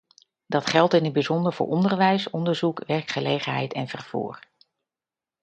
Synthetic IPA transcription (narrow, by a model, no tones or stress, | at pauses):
d̥ɑtχɛlˠtɪnɦətd̚bizɔndəɹv̥ʊ̰ːɹʔɔndəɹʋɛjsɔndəɹzukʋɛɹkχəlejχənɦɛ̰jtʰɛnvəɹv̥ṵːɹ